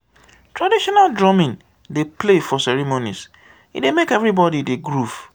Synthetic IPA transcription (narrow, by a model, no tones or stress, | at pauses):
tʰɹadiʃɔnaldɹɔmĩŋ | deplefɔsɛɹimonḭs | ḭdemekɛvɹibɔdideɡɹuf